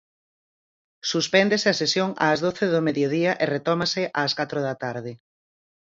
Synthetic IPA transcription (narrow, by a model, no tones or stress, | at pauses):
suspɛnd̪esɪɐsesjoŋa̰ːzðoθeðʊmeðjoðiɐʔeret̪ɔmɐsɪʔaːskat̪ɾʊðɐt̪aɾðɪ